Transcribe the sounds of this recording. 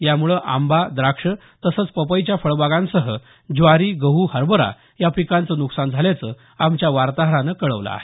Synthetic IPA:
jamuɭəʔambad̪ɾakʂə | t̪əsəːt͡spəpəjt͡ɕjafəɭbaɡãnsəɦə | d͡ʑʋaɾiːɡəɦuːhəɾbəɾa̰ | japikant͡sənuksand͡zʱaljat͡sə | amt͡ɕjaʋaɾt̪aɦɾanəkəɭəʋla̰a̰ɦe

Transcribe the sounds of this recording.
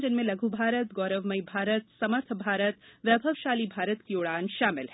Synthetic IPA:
d͡ʒɪnmẽlɐɡʱubʱaːɾət̪ɡɔːɾəʋməibʱaːɾət̪sɐməɾt̪ʰbʱaːɾət̪ʋjɐbʱəʋʃaːlibʱaːɾət̪kioːɽaːnʃaːmɪlɦɛː

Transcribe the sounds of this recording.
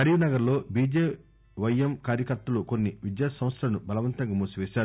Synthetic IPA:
ɐɾiʋunɐɡɐɾlo̞ːbiːd͡ʒeː | ʋɐjɐmkaːɾjɐkɐɾt̪ːɐluko̞nːiʋid̪jaːsɐ̃mʋɐt̪sɐlɐnubɐlɐʋɐnt̪ɐŋɡaːmuːsuʋeːʃaːɾu

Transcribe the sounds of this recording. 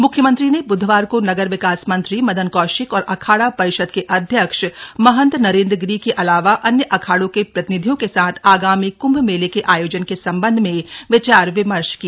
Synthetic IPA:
mʊkʰjəmə̃nt̪ɾinebʊd̪ʱʋaːɾkonɐɡəɾʋɪkaːsmɐ̃nt̪ɾimɐd̪ʱənkɔːʃɪkɔːɾʔɐkʰaːɽapɐɾɪʃəd̪̚keʔɐd̪ʱjəkʃmɐɦə̃nt̪ɾnɐɾẽːnd̪ɾəɡɾikeʔɐlaːʋaʔɐnjəʔɐkʰaːɽõkepɾɐt̪ɪnɪd̪ʱijõkesaːt̪ʰaːɡaːmikʊ̃mbmeːlekeʔaːjoːd͡ʒənkesɐ̃mbə̃nd̪ʱmẽʋɪt͡ʃaːɾʋɪməɾʃkia

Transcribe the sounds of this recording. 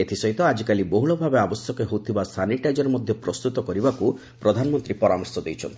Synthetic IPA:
et̪ʰisɔit̪ɔad͡ʒikaliboɦuɭɔbʱabeabɔsjɔkeɦowt̪ʰibasʰaniʈajd͡ʒɔɾmɔd̪ʱjɔpɾɔst̪ut̪ɔkɔɾibakuipɾɔd̪ʱanɔmɔnt̪ɾipɔɾamɔɾsɔd̪ejt͡ʃʰɔnt̪ʰi

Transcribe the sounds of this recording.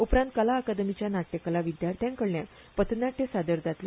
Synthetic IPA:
upɾãnt̪̚kəlaːkad̪əmit͡ɕjanaʈːekəlaʋid̪jaɾt̪ʰjãŋkəɽnja | pət̪naʈʰːesad̪əɾd̪ʱat̪le

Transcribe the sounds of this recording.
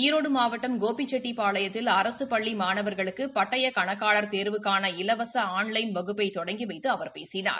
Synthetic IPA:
ɪɾoːɽɯmaːʋɐʈːɐmɡoːpit͡ʃːɛʈːipaːɭɐjɐt̪ːɪlɐɾɐsɯpɐɭːimaːnɐʋɐɾɣɐɭɯkːɯpɐʈːɐjɐkɐɳɐkːaːɭɐɾt̪eːɾʋɯkːaːnɐɪlɐʋɐsɐaːnlɐɪnbɐɣɯpːɐɪt̪ɔɽɐŋɡiʋɐɪt̪ːɯɐʋɐɾpḛːsɪna̰ːɾ

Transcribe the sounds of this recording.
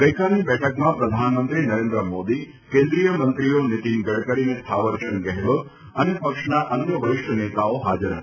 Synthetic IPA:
ɡɐikʰaːniɓɛːʈʰəkmãpɾɐd̪ʱaːnmə̃nt̪ɾinɐɾẽːnd̪ɾəmoːd̪i | kẽːnd̪ɾijəmɐ̃nt̪ɾijonɪt̪inɡɐɽkəɾinẽt̪ʰaːʋəɾʃənkɐɦɪbʊ̆ | ɐnẽpɐkʃnaʔɐnjəʋɐʋɪʃʈʰneːt̪aoɦaːd͡ʑəɾə

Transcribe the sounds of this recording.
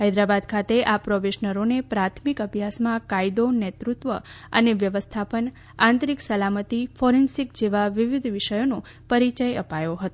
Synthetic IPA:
ɦəjd̪ɾabad̪kʰat̪eʔapɾoʋeʃnəɾonepɾat̪ʰmikəbʱjasmãkajd̪onet̪ɾut̪ʋə | ə̰neʋjəʋəst̪ʰapən | ãnt̪ɾiksəlamət̪ifoɾensikd͡ʒeʋaʋiʋid̪ʱʋɪʃəjono | pəɾit͡ʃəjəpajoɦət̪o

